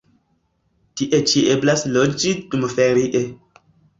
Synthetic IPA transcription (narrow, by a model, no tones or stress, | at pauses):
tiʔet͡ʃiʔeblaslod͡ʒidumfeɾiʔe